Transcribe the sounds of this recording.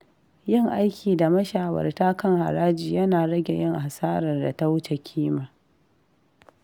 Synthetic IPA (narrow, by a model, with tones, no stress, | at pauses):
jɪ˦˨ŋʔa˦jkʲʰiː˨da˨mɐ˦ʃaː˨wɐ̰˨rtaː˦kɐ˦ŋha̰˨ɾaː˦d͡ʒiː˨jɐ˦naː˨ɾɐ˦ɡʲe˨jɪ˦˨ŋha˨saː˦ɾɐ˨rda˨ta˦wʊ˦t͡ʃe˨kʲʰiː˦maː˨